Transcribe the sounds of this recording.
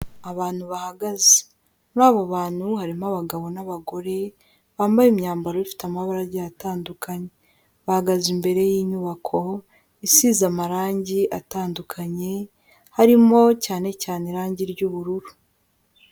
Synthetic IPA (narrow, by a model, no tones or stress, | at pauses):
aβaːn̥huβahaɡaze̥ | nɾaːβaβaːn̥huhaɾimaβaɡaβo̞naβaɡo̞ɾe̞ | βaːmbajimɲaːmbaɾoβifi̥tamaβaɾaɾɟaataːndukʰaɲe̞ | βahaɡazimbe̞ɾe̞jiːɲuːβakʰo̞ | isizamaɾaːɲɟiʔataːndukʰaɲe̞ | haɾimo̞caːne̞caːneɾaːɲɟiɾɟuːβuɾuɾu